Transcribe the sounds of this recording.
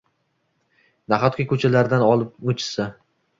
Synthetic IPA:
naχɒt̪̚kʲakʰɵt͡ʃʰalaɾd̪anɒlˠɪp̚mʊt͡ʃʰɪ̥sa

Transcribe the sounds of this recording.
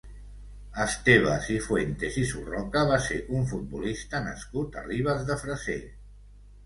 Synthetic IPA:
əst̪eβ̞asifwent̪ezisurɔkəβ̞aseʔuɱfut̪̚bulist̪ənə̰skut̪ə̰riβ̞əzðəfɾəse

